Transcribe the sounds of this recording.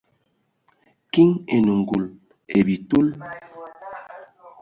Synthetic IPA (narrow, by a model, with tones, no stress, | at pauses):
ki˦ŋe˨nu˨ŋɡu˨l | e˨bi˨tu˦l